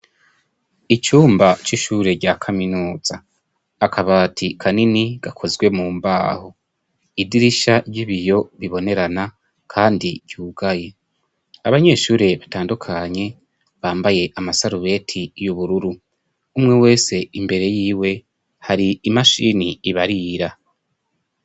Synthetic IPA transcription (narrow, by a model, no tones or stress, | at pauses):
it͡ʃuːmbat͡ʃiʃuːɾe̞ɟaːkʰaminuːz̥aː | kʰaβaːtʰikʰaniniɡ̥akʰo̞zɡwe̞muːmba̰ːho | idiɾiʃaɾɟiβijo̞βiβo̞ne̞ɾana | kʰaːndiɡɟ̥uːɡaje̞ | aβaɲe̞ːʃuːɾe̞βataːndukʰaɲe̞ | βaːmbaje̞ʔamasaɾuβe̞ːtʰijuβuɾuɾu | umŋe̞we̞ːse̞imbe̞ɾe̞jiːwe̞ | haɾiːmaʃiniːβaɾiɾa